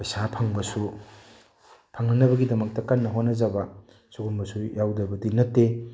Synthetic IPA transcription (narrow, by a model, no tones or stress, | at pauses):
pɐjsapʰaŋbɐsu | pʰaŋnɐnɐbɐɡidɐmɐk̚tɐkɐnːɐɦonːɐzabɐ | suɡumbɐsujawdɐbɐdinɐtːe